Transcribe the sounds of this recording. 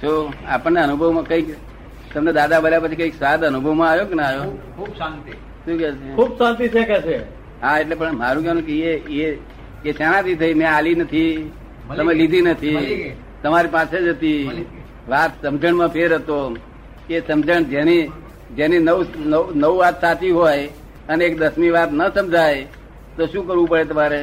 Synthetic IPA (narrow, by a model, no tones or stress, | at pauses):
soa̰pəɳneənubʱəʋmãkə̃ik | t̪əmned̪ad̪abəljapət͡ʃʰikə̃iksʋad̪ənubʱəʋmãajokenəajokʰubsant̪i | ʃũkɛt͡ʃʰeubsãnt̪it͡ʃʰekɛt͡ʃʰe | ɦaeʈlepəɳmaɾũkɛɦɾũkeee | eʃanãt̪it̪ʰəimɛ̃alinət̪ʰi | əmẽlid̪ʱinət̪ʰi | t̪əmaɾipãsed͡ʒət̪i | ʋat̪səmd͡ʒəɳmãpʰeɾɦət̪o | esəmd͡ʒəɳd͡ʒeni | d͡ʒeninəʋnənəuʋat̪sat͡ʃiɦoj | əneekd̪əsmiʋat̪nəsəmd͡ʒʱaj | t̪oʃũkəɾʋũpəɽet̪̬əmaɾe